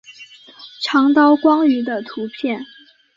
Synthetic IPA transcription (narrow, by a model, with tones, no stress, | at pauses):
ʈ͡ʂʰɑ˧˥ŋt̪ɑ˥ʊkwɑ˥ŋy˧˥d̪ə˧t̪ʰu˧˥pʰjɛ˥˩n